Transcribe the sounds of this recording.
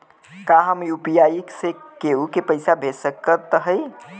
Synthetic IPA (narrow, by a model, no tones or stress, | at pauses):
kaɦəmjupijajiksekeukepəɪsabʱesəkːət̪ɦəj